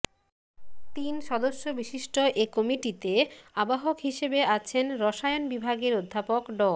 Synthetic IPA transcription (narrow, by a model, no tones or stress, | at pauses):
t̪inʃɔd̪oʃːobiʃiʃʈoʔekɔmiʈit̪eabaɦokɦiʃebeat͡ɕʰenɾɔʃajonbibʱaɡeɾod̪ʱːapokɖɔ